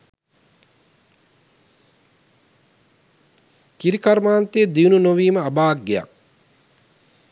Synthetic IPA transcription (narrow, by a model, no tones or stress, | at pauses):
kiɾikaɾmaːnt̪eed̪iununoʋiːməabaːk̚ɡeja̰k